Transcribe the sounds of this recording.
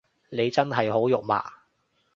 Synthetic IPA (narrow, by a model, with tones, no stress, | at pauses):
ne˨˧jt͡sɐ˥nɦɐ˨jɦo˨˥wjʊ˨k̚ma̰ː˨˩